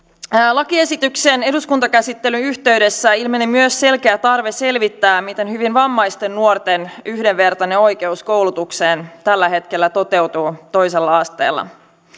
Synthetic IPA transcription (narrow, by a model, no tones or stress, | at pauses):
lɑkie̞sit̪yksene̞duskunt̪ɑkæsit̪ːe̞lyyçt̪e̞yde̞sːæilmenemyøsːe̞lkeæt̪ɑrʋese̞lʋit̪ːæːmit̪e̞nhyʋinʋɑmːɑjst̪e̞nːuort̪e̞nyhdeʋʋe̞rt̪ɑne̞o̞jke̞usko̞wlut̪ukse̞ːnt̪ælːæɦe̞t̪ke̞lːæt̪o̞t̪e̞wt̪uːt̪o̞jse̞lːɑɑst̪ḛːlːɑ̰